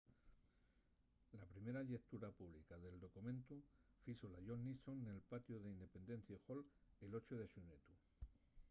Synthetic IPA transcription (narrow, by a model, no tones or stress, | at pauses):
lapɾime̞ɾaʎe̞k̚t̪uɾapuβ̞likaðe̞ld̪o̞kumẽ̞nt̪ufisolaʝo̞nːisonːe̞lpat̪joðeind̪e̞pẽ̞nd̪e̞n̟θjexo̞le̞lo̞t͡ʃoðe̞ʃunet̪u